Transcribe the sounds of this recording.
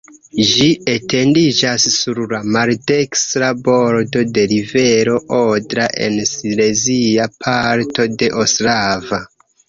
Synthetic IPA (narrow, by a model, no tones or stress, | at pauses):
ʒietʰe̞ndid͡ʒasːuɾlamalde̞ksɾabo̞ɾdo̞de̞ɾive̞ɾo̞ʔodɾaʔe̞̰nsile̞ziapʰaɾto̞de̞ʔoslava